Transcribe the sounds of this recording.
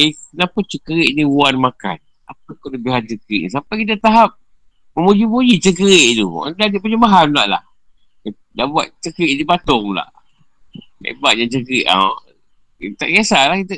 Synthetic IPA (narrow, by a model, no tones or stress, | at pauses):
ekənapat͡ʃəkəɾiʔniuanmaka̰n | ap̚akoləbɪɦant͡ʃəkəɾḭʔnis̬ampajkit̪̬at̪aɦap̚ | məmud͡ʒimud͡ʒit͡ʃəkəɾiʔt̪ua̰ndadiʔpəɲəmaɦanla̰ʔla̰h | daʔbuat̪̚t͡ʃəkəɾiʔdibat̪ɔŋla̰ʔ | ḛbat̪̚ɲat͡ʃəkəɾiʔa̰ | t̪a̰ʔɡiasalahkit̪ə